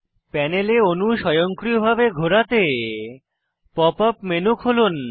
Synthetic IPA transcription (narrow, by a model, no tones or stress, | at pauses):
pɛneleonuʃɔjoŋkɾiobʱabeɡʱoɾat̪e | pɔpapmenukʰɦolun